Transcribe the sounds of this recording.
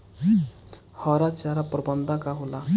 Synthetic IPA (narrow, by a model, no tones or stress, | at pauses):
hɔɾat͡ʃaɾapɾɔbɔnd̪ʱakaɦola